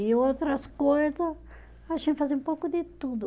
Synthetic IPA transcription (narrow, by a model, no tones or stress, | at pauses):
ɪowt̪ɾɐskojzɐs | aʃẽfazẽũpowkʊd̪ɪt̪ud̪ʊ